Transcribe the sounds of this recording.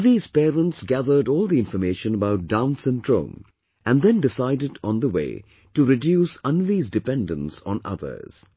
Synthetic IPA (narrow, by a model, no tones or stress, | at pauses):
viz̥pɛɾə̃ntsɡæðə˞ɾɔːlˠd̪iɪ̃nfə˞meɪʃə̃nəbaʊt̚d̥ãʊ̃nsɨ̃ndɹõ̰ʊ̃m | ʔæ̃nd̪ɛ̃ndɪsaɪdɪɾ̃n̩d̪əwḛɪ | tuɾɪdjusʌ̃nvizdɨpɛ̃ndə̃nsn̩ʌ̰ðə̰˞z̥